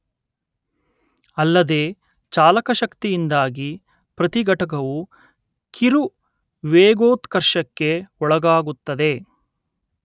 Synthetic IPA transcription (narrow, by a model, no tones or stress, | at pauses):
ɐlːɐd̪eː | t͡ʃaːlɐkɐʃɐkt̪ijind̪aːɡi | pɾɐt̪iɡɐʈɐk̬ɐʋu | kʰiɾu | ʋeːɡoːt̪kɐɾʃɐkːeɔɭɐɡaːɡut̪ːɐd̪e̞